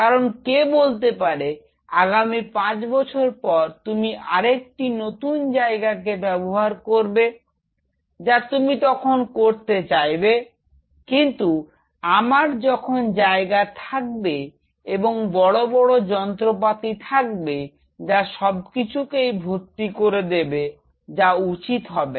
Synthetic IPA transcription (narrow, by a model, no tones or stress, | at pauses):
kaɾonkebolt̪̬epaɾe | aɡamipãt͡ɕbɔt͡ɕʰoɾpɔɾt̪umiʔaɾek̚ʈinot̪und͡ʑaeɡak̬ebɛboɦaɾkoɾbe | d͡ʑat̪umit̪ɔkʰonkoɾt̪et͡ɕajbe | kint̪u | amaɾd͡ʑɔkʰond͡ʑaeɡat̪ʰak̚be | eboŋbɔɽobɔɽod͡ʑɔnt̪ɾop̬at̪it̪ʰak̚be | d͡ʑaʃɔb̚kit͡ɕʰukejbʱoɾt̪ikoɾed̪ebe | d͡ʑaut͡ɕit̪ɦɔbe